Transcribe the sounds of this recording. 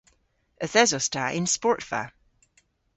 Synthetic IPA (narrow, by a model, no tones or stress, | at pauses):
əθɛzɔstaʔɪ̃nspɔɹʔfa̰